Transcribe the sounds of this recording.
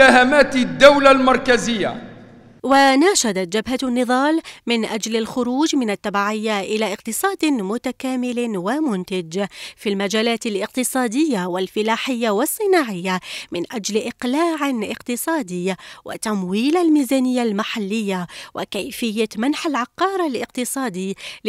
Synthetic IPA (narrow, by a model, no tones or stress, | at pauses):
ahamaːt̪ɪd̪ːawlalmɑɾˤkazɪjːa̰ | wanaːʃad̪at̪d͡ʒabɦanːɨðˤɑːlmɪnʔad͡ʒlalxʊɾuːd͡ʒmɪnat̪ːabaːʕɪjːaʔɪlaːʔɪqt̪ɨsˤɑːd̪mʊt̪akaːmɪlwamʊnt̪ad͡ʒfiːlmad͡ʒaːlaːt̪alʔɪq̚t̪ɨsˤɑːd̪ɪjːawalfɪlaːħɪjːawɑsˤːɨnaːʕɪjːamɪnʔad͡ʒlʔɪqlaːʕʔɪ̰qt̪ɨsˤɑːd̪ɪːwɪ̰t̪amwiːlalmiːzaːnɪjːalmaħalːɪjːawʔɪ̰kajfɪjːamanħalʕɑqːɑːɾˤalʔɪqt̪ɨsˤɑːd̪i